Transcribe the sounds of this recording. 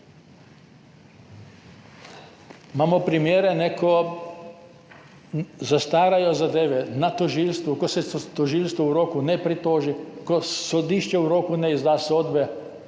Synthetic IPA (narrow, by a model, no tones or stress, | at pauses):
maːmɔpɾimjeːɾɛnɛkʰɔ | zast̪aːɾajɔzad̪eːʋɛnat̪ɔʒiːlst̪ʋukɔsɛt̪ɔʒiːlst̪ʋuuɾoːkunɛpɾit̪oːʒikɔsɔd̪iːʃt͡ʃɛuɾoːkunɛizd̪aːsoːd̪bɛ